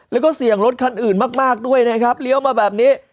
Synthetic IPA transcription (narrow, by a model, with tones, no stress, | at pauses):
lɛː˦˥wkɔː˥˩si˨˩əŋɾo˦˥t̪̚kʰa˧nʔɯː˨˩nmaː˥˩k̚maː˥˩k̚du˥˩əjna˦˥kʰɾa˦˥p̚li˦əwmaː˧bɛː˨˩p̚niː˦˥